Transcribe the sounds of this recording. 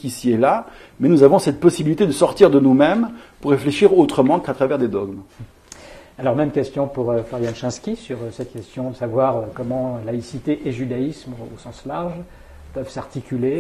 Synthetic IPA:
kʲisiɛla | mɛnuzavɔ̃sɛt̪̚pɔsibilit̪ed̪əsɔʁt̪iʁd̪ənumɛmpuʁːefleʃiʁot̪χəmɑ̃kat̪χavɛʁd̪ed̪ɔɡm | alɔʁmɛmkʲɛst̪jɔ̃puʁøflaʁjanʃɛ̃skʲisyʁsɛt̪kʲɛst̪jɔ̃d̪əsavwaʁøkɔmɑ̃laisit̪eʔeʒyd̪aismosɑ̃slaʁʒ | pœvsaʁt̪ikʲyle

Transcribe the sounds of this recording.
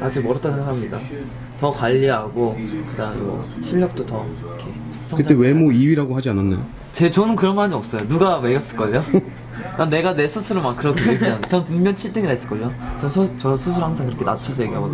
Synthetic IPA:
at͡ɕʰimʌɾʌt͈ʰasʰeɡakʰamɲida̰ | tʌkaʎːiɦaɡoktamʌ̰ɕʰiʎːʌk̚t͈otʌ | kʰe | sʰʌkɯt͈ewe̞moiɥiɾaɡoɦad͡ʑiananːa̰jo | t͡ɕet͡ɕʌnɯnkɯɾʌnɡʌɦand͡ʑiʌp̚s͈ʌjonuɡameɡjʌs͈ɯɭk͈ʌejo | anne̞ɡane̞sʰʌsʰɯɾomakk͈ɯɾʌkʰeekiant͡ɕʌɯnpɯŋmjʌnt͡ɕʰiɭt͈ɯŋiɾaes͈ɯɭk͈ʌot͡ɕʌsʰt͡ɕʌsʰusʰuɭhaŋsʰaŋkɯɾʌkʰena̰t͡ɕʰʌs̬ʰʌje̞ɡiɦaɡo

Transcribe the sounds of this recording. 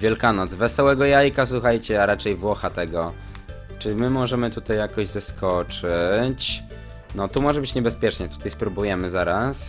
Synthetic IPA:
vʲjɛlkanɔd̪zvɛsɔwɛɡɔjajkaswuxajt͡ɕɛaɾat͡ʂɛjvwɔxat̪ɛɡɔ | t͡ʂɘimɘmɔʐɛmɘt̪ut̪ajːakɔʑzaskʰɔt͡ʂɘt͡ɕ | nɔt̪umɔʐɛbɘt͡ɕɲɛbɛspʲjɛt͡ʂɲɛt̪u̥t̪ajspɾubujɛmɘzaɾas

